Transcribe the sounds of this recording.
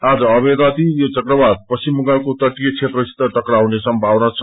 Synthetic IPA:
ad͡zʌʌbeɾat̪ijot͡sʌkɾʌbad̪̚pʌsimːuɡakot̪ʌʈiet͡sʰet̪rʌist̪ʌʈ̪ʌkɾaɦunesʌmbʱawnʌt͡sʰʌ

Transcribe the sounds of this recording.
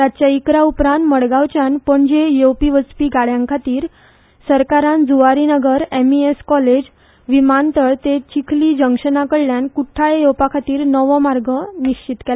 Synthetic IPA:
t̪at͡ɕjaikɾaupɾãnt̪məɽɡaʋt͡ɕjanpəɳd͡ʑejowpiʋət͡spiːɡaɭjãŋkʰat̪iːɾ | səɾkaɾãnd͡zuʋaɾinəɡəɾemieskɔled͡ʑ | ʋimant̪əɭt̪et͡ɕikʰliːd͡ʑəŋkʂənakəɽljankuʈʰːaɭejowpakʰat̪iːɾnəʋɔmaɾɡəniɕt͡ɕit̪kɛla

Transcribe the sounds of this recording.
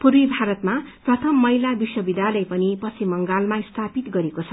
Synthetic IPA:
puɾwibʱaɾʌt̪maprʌt̪ʰʌmːʌjlabiswʌbid̪alʌjpʌnipʌsimːʌŋɡalmaist̪ʰapit̪ɡʌɾekot͡sʰʌ

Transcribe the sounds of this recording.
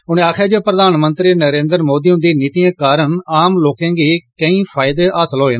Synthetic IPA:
ʊnẽːaːkʰjaːd͡ʒeːpɾəd̪aːnmənt̪ɾiːnəɾẽːnd̪əɾmoːd̪iːɦʊ̃nd̪iːnit̪iːãːkaːɾəɳaːmloːkẽːɡiːkəĩːpʰaːɪd̪eːʔaːsəlɦoːeːnː

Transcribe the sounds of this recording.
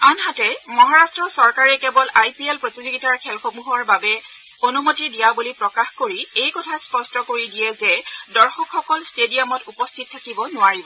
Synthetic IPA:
anɦatɛmɔɦaɹastɹɔsɔɹkaɹɛkɛbɔlajpiɛlpɹotizoɡitaɹkʰɛlxomuɦɔɹbabɛ | onumotidijabulipɹɔkaxkoɹiejkɔtʰaspɔstɔkoɹidijɛzɛdɔɹxɔkxɔkɔlstedijamɔtupɔstʰit̚tʰːakibɔnʊwaɹibɔ

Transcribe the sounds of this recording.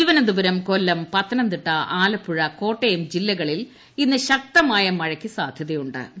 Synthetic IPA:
iʋɐnɐd̪ubɐɾɐmko̞lːɐmpɐt̪ːɐnɐnd̪iʈːɐaːlɐpːuɻɐko̞ːʈːejumd͡ʑilːɐɣɐɭil | inːɨɕɐk̚t̪ɐmaːjɐmɐɻɐkʲːisaːd̪ʱjɐðejuɳɖɨ̰

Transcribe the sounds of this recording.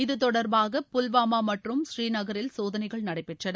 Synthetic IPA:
ɪðɯt̪ɔɽɐɾbaːɣɐpʊlʋaːmaːmɐʈrɯmɕriːnɐɣɐɾɪlsoːðɐnɐɪɣɐɭnɐɽɐɪpːɛʈrɐnɐ

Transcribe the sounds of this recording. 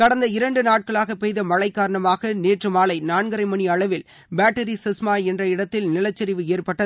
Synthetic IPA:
kɐɽɐnd̪ɐɪɾɐɳɖɯnaːʈ̚kɐɭaːɣɐpɛjðɐmɐɭɐɪkːaːɾɐɳɐmaːɣɐneːʈrɯmaːlɐɪnaːɳɡɐɾɐɪmɐɳiɐɭɐʋɪl | baːʈːɐɾisɪsmaːɛndrɐɪɽɐt̪ːɪlnɪlɐt͡ʃːɐɾɪʋɯeːrpɐʈːɐ

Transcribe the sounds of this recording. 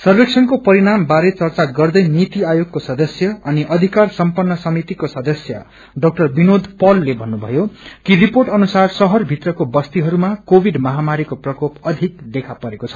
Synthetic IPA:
sʌrbeksʰʌnkopʌɾiɽambaɾet͡sʌrt͡saɡʌrd̪ʌjnit̪iajoɡ̚kosʌd̪ʌsjʌʌniʔʌd̪ʱikarsʌmpʌnːʌsʌmit̪ikosʌd̪ʌsjʌ̰ | ɖʌk̚ʈʌrbinod̪ʱpʌlːebʱʌnːubʱʌ̰jokiriporʈʌnusarsʌɦʌrbʱit̪rʌkobʌst̪iɦʌɾumakobʱiɖmʌɦamaɾikoprʌkopʌd̪ʱik̚d̪ekʰapʌɾekot͡sʰʌ̥

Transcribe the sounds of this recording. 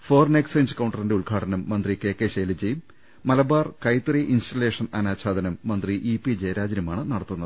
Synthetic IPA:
foːrneksɐjnsɨkɐwɳɖɐrindeuɭɡʱaːʈɐnɐmːɐnd̪rike̞ːkːe̞ɕeːlid͡ʑejumː | ɐlɐbaːrkɐjt̪riʔinsʈɐle̞ːʂɐnɐnaːɕʰaːd̪ɐnɐmːɐnd̪riʔipːid͡ʑeːɾaːd͡ʑɾijɐmaːɳɨnɐɽɐt̪ːunːɐɨ

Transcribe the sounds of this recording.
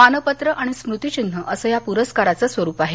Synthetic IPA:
anəpət̪ɾəʔaɽ̃ismɾut̪it͡ɕin̤ːəʔəsəːjapuɾəskaɾat͡səsʋəɾuːpaɦe

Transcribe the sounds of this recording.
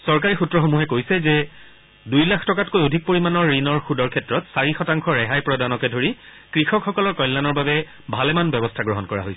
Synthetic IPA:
sɔɹk̬aɹixutɹɔxomuɦɛkojsɛzɛ | dujlaxʰtɔkatkojodʱik̚poɹimanɔɹːinɔɹxudɔɹkʰɛtɹɔtsaɹixɔtaŋkʰɔɹɛɦajpɹɔdanɔkɛdʱoɹi | kɹixɔkxɔkɔlɔɹkɔjlːanɔɹbabɛ | bʱalɛmanbɛbɔstʰaɡɹɔɦɔnkɔɹa̰ɦojsɛ̥

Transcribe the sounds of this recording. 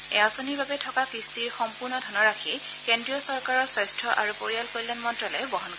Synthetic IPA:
ɛasoniɹbabɛtʰɔkakɹistiɹxɔmpuɹnɔdʱɔnɔɹakʰi | kendɹijɔsɔɹkaɹɔswɔjstʰɹɔʔaɹupoɹijalkoɹilɛnmɔntɹɔlɛbɔɦɔnk

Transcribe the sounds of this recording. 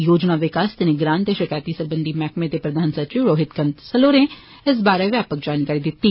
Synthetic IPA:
joːd͡ʒnaːʋɪkaːst̪ɪnɪɡɾaːnt̪eːʃɪkaːjt̪iːsəɾbənd̪ʱiːmɛːkmẽːt̪eːpɾəd̪ʱaːnsəɾt͡ʃiʋɾoːɦɪt̪kənt̪səloːɾẽː | ɪs̬baːɾeːʋjaːpək̚d͡ʒaːnkaːɾiːd̪ɪt̪ːiː

